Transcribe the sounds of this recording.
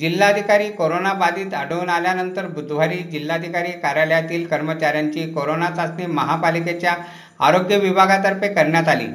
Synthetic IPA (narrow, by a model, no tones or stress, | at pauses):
d͡ʑilːaəd̪ʱikaɾiːkoɾonabad̪iːt̪əɽəunaljanənt̪əɾbud̪ʱʋ̤aɾiːd͡ʑilːad̪ʱikaɾiːkaɾjaljat̪iːlkəɾmət͡ɕaɾjaɲt͡ɕiːkoɾonat͡sasneməɦapaliket͡ɕja | a̰ɾoɡjəʋibʱaɡat̪əɾpekəɾɳjat̪alḭː